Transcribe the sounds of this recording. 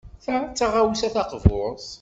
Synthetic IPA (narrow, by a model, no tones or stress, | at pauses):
θæt͡sːaʁawsæθɑqvʊɾs